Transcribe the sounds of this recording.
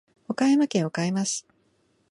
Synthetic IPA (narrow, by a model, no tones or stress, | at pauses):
okajamakẽ̞ɰ̃okaimasɨ̥